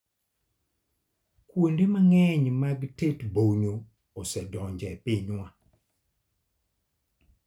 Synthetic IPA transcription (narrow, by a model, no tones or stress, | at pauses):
kwondemaŋɛɲmaɡtetboɲo | osɛdɔɲd͡ʒɛpɪɲwa